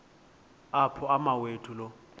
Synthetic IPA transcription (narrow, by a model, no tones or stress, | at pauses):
apʰɔamawetʰʼulo